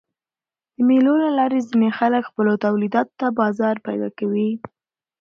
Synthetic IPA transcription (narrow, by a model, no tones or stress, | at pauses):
d̪̥əmelolalɑɾezinexaləkxpəlot̪awlid̪ɑt̪t̪ːabɑzɑɾpajd̪ɑ̰kawi